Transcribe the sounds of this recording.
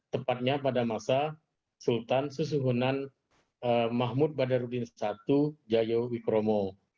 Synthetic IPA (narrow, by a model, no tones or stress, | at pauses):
t̪əpat̪̚ɲapadamasa | sult̪ansus̬uɦunan | əmaɦmut̪̚badarudɪnsat̪ud͡ʒajowikɾomo